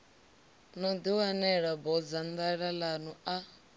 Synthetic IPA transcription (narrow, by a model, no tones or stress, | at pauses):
nɔd̪iwanɛɺabɔd͡zand̪aɺalanua